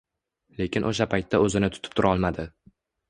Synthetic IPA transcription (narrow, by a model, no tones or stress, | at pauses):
le̞kʲɪnʔoʃapʰajt̪ʰːaɵzɪnɪt̪ʰʊ̥t̪ʰɪ̥p̚t̪ʰʊɾʔɒlˠmad̪ɪ